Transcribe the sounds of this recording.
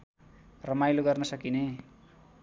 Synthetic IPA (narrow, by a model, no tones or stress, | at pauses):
rʌmajloɡʌrnʌsʌkine